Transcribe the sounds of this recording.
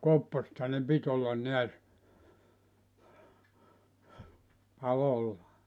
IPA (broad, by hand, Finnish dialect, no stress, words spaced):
kopːosĕthɑ ne pit olːɑn neæs pɑlolːɑ